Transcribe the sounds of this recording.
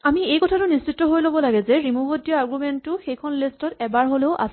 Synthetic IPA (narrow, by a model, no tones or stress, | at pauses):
amiejkɔtʰatʊnistt͡ʃitːɔɦojlobɔlaɡɛzɛɹimuɦodijɔaɡɹumentːʊxejkʰɔnlistɔtɛbaɹɦoleʊʔa̰s